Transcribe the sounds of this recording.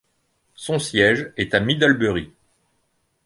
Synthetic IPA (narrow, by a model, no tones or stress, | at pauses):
sɔ̃sjɛʒɛt̪amid̪albøʁi